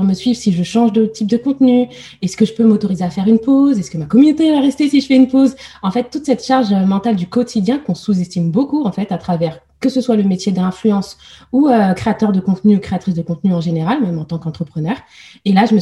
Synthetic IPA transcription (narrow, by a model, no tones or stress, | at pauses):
ʁməsɥivsiʒəʃɑ̃ʒd̪ət̪ip̚d̪əkɔ̃t̪ny | ɛskəʒəpømot̪ɔʁizeafɛʁynpozɛskəmakɔmynot̪evaʁɛst̪esiʒəfɛynpozɑ̃fɛt̪ːut̪sɛt̪ʃaʁʒømɑ̃t̪ald̪ykɔt̪ʰid̪jɛ̃kɔ̃suzɛst̪imbokuɑ̃fɛt̪at̪χavɛʁ | kəsəswaləmet̪jed̪ɛ̃flyɑ̃suøkχeat̪œʁd̪əkɔ̃t̪nyukχeat̪χisd̪əkɔ̃t̪nyɑ̃ʒeneʁalmɛmɑ̃t̪ɑ̃kɑ̃t̪χəpχənœʁ | elaʒəmə